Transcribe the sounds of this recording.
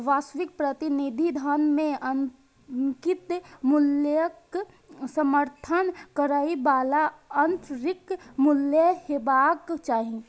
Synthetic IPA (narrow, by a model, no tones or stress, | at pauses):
ʋaːsʋik̚pɾət̪inid̪ʱid̪ʱənmẽən | kit̪mulək | səməɾt̪ʰənkəɾaibaːlaənt̪ʰɾɪkmuljəhebakt͡ʃaːɦĩ